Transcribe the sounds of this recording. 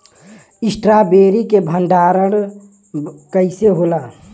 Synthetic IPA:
ɪsʈɾabeːɾikebʱənɖaːɾəɽ | kəɪseɦolaː

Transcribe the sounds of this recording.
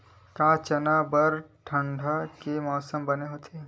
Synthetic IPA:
kaːt͡ʃɐnaːbəɾʈʰɐ̃ɳɖʱakemɔːsəmbɐneɦoːt̪ʰeː

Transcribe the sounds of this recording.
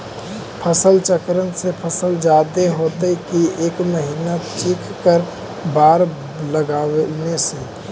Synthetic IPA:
pʰəsəlt͡ʃəkɾənsepʰəsəld͡ʒaːd̪eɦoːt̪ekieːkməɦiːnat͡ʃiːkʰkəɾ | baːɾ | ləɡaːʋnese

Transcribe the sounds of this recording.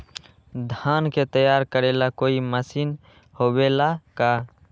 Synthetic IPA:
d̪ʱaːnket̪əjaːɾkəɾelakoːiməsiːn | hobelaka

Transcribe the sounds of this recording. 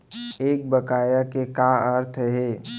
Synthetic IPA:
eːk̚bɐkaːjakekaəɾt̪ʰɦeː

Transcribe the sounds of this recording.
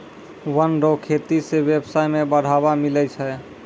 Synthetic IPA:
wənɖokʰet̪isebebsajmebəɽ̤ʱabamilɛt͡ʃʰɛ

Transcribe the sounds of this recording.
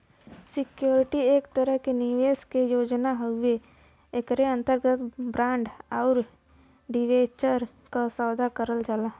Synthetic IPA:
sɪkjoːɾɪʈieːkt̪əɾəɦkeniʋeːskejoːd͡ʒnaɦəe | ekɾeə̃nt̪əɾɡət̪bɾãːɳɖɔːɾ | ɖiʋeːt͡ʃəɾ | kasaːd̪ʱakəɾəld͡ʒalaː

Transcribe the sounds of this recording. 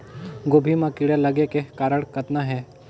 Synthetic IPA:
ɡoːbʱimãkɪɽelɐɡekekaːɾəɽ̃kət̪naɦɛ̃ː

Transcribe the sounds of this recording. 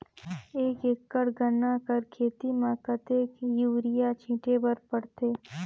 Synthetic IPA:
eːkeːkːəɽɡənːakəɾkʰeːt̪imãkət̪eːkjuʋɾɪjat͡ʃʰĩːʈebəɾpəɽt̪eː

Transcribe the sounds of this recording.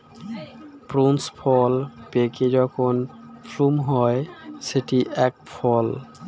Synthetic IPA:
pɾunspʰɔlpeked͡ʑɔkʰonfʰlumɦɔeseʈiʔɛk̚pʰɔl

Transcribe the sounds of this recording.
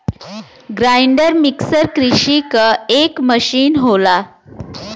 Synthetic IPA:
ɡɾajɳɖəɾmiksəɾkɾiɕikəekməɕiːnɦola

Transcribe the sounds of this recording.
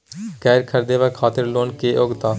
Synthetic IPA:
kɛːɾkʰəɾd̪eːʋəːkʰaːt̪əɾloːnkeːʔoɡt̪aː

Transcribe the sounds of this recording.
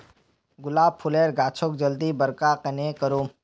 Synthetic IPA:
ɡʊlaːb̚pʰʊleːɾɡaːt͡ʃʰok̚d͡ʒɐld̪ibɐɾkaqɐnekəɾoː

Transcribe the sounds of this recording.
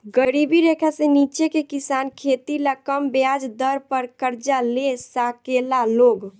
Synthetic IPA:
ɡəɾibiɾekʰasenit͡ʃekekisankʰet̪ilakəmbjad͡ʒd̪əɾpəɾkəɾd͡ʒalesakelaloɡ

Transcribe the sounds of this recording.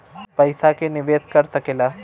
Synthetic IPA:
pɐɪsakenɪʋeːskɐɾsɐkeːlaː

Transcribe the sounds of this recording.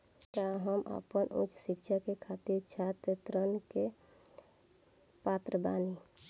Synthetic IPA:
kaɦəmʔə̰pənʔʊ̰t͡ʃsɪkʃakekʰat̪iɾt͡ʃʰat̪t̪ɾənke | paːt̪ɾəba̰ːni

